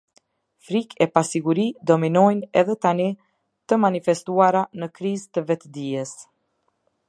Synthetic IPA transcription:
fɾikʰɛpasiɡuɾid̪ɔminɔjnɛðɛt̪ani | t̪əmanifɛst̪uaɾanəkɾizt̪əvɛt̪əd̪iɛs

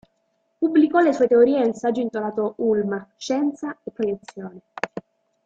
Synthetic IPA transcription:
pubːlikɔlesuet̪eoɾiːensad͡ʒoint̪olaːt̪oʔulmaʃɛnt̪saepːɾojet̪sːjoːne

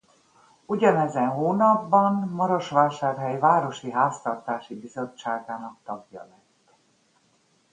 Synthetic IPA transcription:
uɟɒnɛzɛnɦoːnɒbːɒnmɒɾoʃʋaːlʃaːrɦɛjvaːɾo̞ʃiɦaːst̪ɒrt̪aːʃibizo̞t͡ʃːaːɡaːnɒk̚t̪ɒɡjɒ̰lɛnt̪

